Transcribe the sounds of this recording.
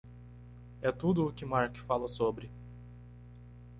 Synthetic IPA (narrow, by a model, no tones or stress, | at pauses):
ɛt̪ud̪ʊːkɪmaɾkfalɐsobɾɪ